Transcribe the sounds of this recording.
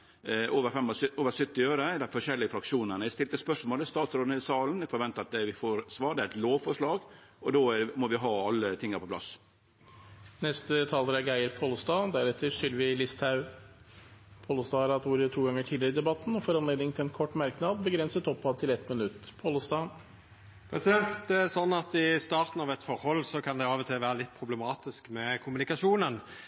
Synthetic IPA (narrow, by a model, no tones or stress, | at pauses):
oːʋəɾfɛmːɔoːʋəsʏt̪ːɪøːɾəd̪ɛfɔʂɛlːɪɡəfɾɑkʂuːnənəɪst̪ɪlt̪əspœʂmoːləst̪ɑːt̪sɾoːnɪsɑːln̩ɛɡfɔɾʋɛnt̪əɾɑt̪d̪ɛʋɪfoːɾsʋɑːɖ̪ɛæɾɛt̪loːʋfɔʂɭɑːɡ | ɔd̪omɔʋɪɦɑːɑlːət̪ʰɪŋːəɾpɔplɑ̰s | nɛst̪ət̪ʰɑːld̪ɾɑɡæɪəɾpʰoːlst̪ɑːd̪æɾɛt̪ːəɾʂʏlːəʋɪlɪst̪ʰɑʉ | pʰoːləst̪ɑːɑɾɑt̪ʋuːɾət̪ʰuːɡɑŋːəʈʰiːd̪ɪɾəɪd̪ɛbɑt̪ːn̩ɔfɔɾɑnleːd̪nɪŋt̪ʰɪlɛnkʰɔʈːmɑɾknɑd̪bəɡɾɛnsət̪ɔpːɑt̪ʰɪlɛt̪mənʉt̪ːpʰoːləsd̪ɑː | pʰɾɛsɪd̪ɛnt̪d̪ɛæɾsɔnːɑt̪ɪst̪ɑːɾt̪n̩ɑʋɛt̪fɔɾhɔlːsɔkʰɑnd̪ɛɑːʋət̪ʰɪʋæːɾəlɪt̪ːpʰɾʊblɛmɑːt̪ɪskmɛkʰʊmʉnɪkɑʂuːnən